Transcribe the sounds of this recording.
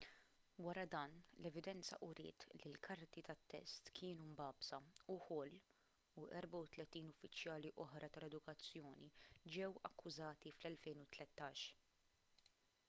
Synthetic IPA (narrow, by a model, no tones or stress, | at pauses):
wɐɾɐd̪ɐːnlɛvɪd̪ɛnt͡sɐʔʊɾɪ̰ːt̪lilkʰɐɾt̪it̪ɐt̪ːɛ̰st̪kʰɪːnumbɐːbsɐʊħɔlː | uʔɛɾbɐʊt̪lɛt̪iːnʊfːɪt͡ʃjɐːliʔɔħɾɐt̪ɐlɛd̪ʊkɐt͡sːjɔːnid͡ʒɛwɐkːʊzɐːt̪iflɛlfɛjnʊt̪lɛt̪ːɐːʃ